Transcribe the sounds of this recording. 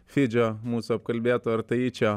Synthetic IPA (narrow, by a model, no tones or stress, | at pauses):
fid͡ʒamusab̚kɐlbjat̪aɾt̪ɐjit͡ʃa